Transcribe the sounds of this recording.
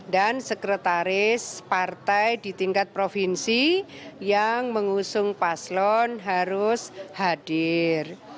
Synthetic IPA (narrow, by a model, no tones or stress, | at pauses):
dansəkɾət̪aɾɪspart̪ajd̪i̤t̪iŋkat̪̚pɾofinsijaŋməŋusʊŋpaslɔnɦaɾʊshadɪr